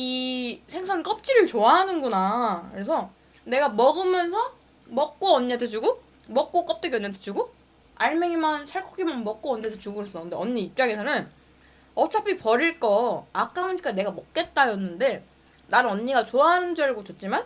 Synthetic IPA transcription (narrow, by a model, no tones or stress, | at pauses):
isʰe̞ŋsʰaŋk͈ʌp̚t͡ɕ͈iɾɯɭt͡ɕoaɦanɯnɡunakɯɾe̞sʰʌ | ne̞ɡamʌɡɯmjʌnsʰʌ | mʌk̚k͈oʌɲːatʰɯd͡ʑuɡo | mʌk̚k͈ok͈ʌp̚t͈eɡeʌɲːatʰe̥d͡ʑuɡo | aɭme̞ŋimansʰaɭkʰoɡimanmʌk̚k͈oʌɲːedʰot͡ɕuɡɯɾes͈ʌkʰɯndeʌɲːiːp̚t͡ɕ͈aŋesʰʌnɯn | ʌt͡ɕʰapʰipʌɾiɭk͈ʌak͈auɲik͈ane̞ɡamʌk̚k͈e̞t̚t͈ajʌnːɯnde̞ | nanɯnʌɲːiɡat͡ɕoaɦanɯnd͡ʑʌɾɯɡot͡ɕet̚t͡ɕ͈iman